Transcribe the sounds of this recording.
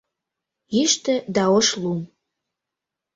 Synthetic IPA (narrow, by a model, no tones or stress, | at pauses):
iʃt̪ə̆d̪ɑoʃlum